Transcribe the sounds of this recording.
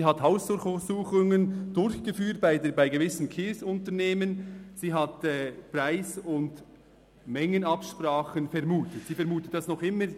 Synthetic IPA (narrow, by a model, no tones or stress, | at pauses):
iːɦathaʊsʊxsuːχʊŋənd̥ʊɾçɡ̥əfyːt̚b̥aɪdbaɪɡevɪsn̩kʰeːsʊntəʁneːmənz̥iːɦɑtɛːpʁaɪsʊnd | mɛŋənɑpʃpʁaːχənfɛʁmuːtətsiːfɛʁmuːtət̚d̥ɑsnɔχɪmə